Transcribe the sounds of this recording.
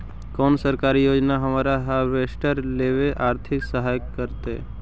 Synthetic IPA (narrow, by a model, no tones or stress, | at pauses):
kɔːnsəɾkaːɾijoːd͡ʒnaɦɐmaːɾaɦaʋeːsʈəɾleːʋeʔaːɾt̪ʰɪksəɦaːjəkːəɾt̪ḛ